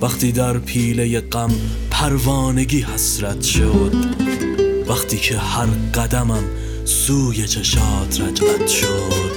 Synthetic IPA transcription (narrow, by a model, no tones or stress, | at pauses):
vaχt̪ʰid̪æɾpʰiːlejeqæm | pʰæɾvɑːneɡihæsɾat̪ʰʃod̪̚ | væxt̪ʰikʰehæɾqæd̪æmam | suːjet͡ʃʰɛʃɑːt̪ʰɾad͡ʒat̪ʃod̪